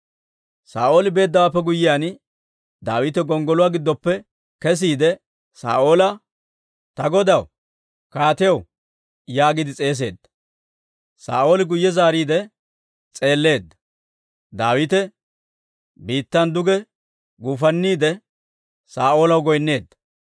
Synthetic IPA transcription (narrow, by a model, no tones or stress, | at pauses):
saːʔo̞ːlɪbe̞ːd̪ːɐwaːpːɛɡʊjːɪjaːn | d̪aːwɪt̪ɛɡɔŋɡɔlʊwaːɡɪd̪ːɔpːɛ | kɛs̬iːd̪ɛ | sa̰ːʔo̞ːlɐ | t̪ɐɡɔd̪ɐw | kaːt̪ɪjɐw | jaːɡɪd̪ɪt͡sʼe̞ːs̬e̞ːd̪ːɐ̥ | sa̰ːʔo̞ːlɪɡʊjːɛzaːɾiːd̪ɛ | t͡sʼe̞ːlːe̞ːd̪ːɐ̥ | d̪aːwɪt̪ɛ | biːt̪ːɐnd̪ʊɡɛ | ɡuːfɐnːiːd̪ɛ | saːʔo̞ːlɐwɡɔjnːe̞ːd̪ːɐ̥